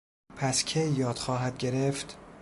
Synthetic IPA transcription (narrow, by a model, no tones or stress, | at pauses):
pʰæscʰejːɒːd̪̥xɒːɦæd̪̚ɟe̞ɾeft̪